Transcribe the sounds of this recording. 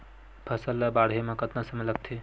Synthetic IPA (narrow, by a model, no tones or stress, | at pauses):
bʰʱəsəlːabaɽ̤ɦemãkət̪nasəmeləɡ̚t̪ʰi